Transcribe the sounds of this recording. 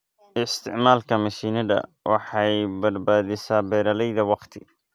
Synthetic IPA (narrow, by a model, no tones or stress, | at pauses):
ʔɪst̪ʰɪ̰ʕmaːlkʰɐmɐʃiːnɐðɐ̰wʔɑ̰ħɑjbɐd̪baːðɪsaːbɛːɾɐlɛjðɐwɑqt̪ʰɪ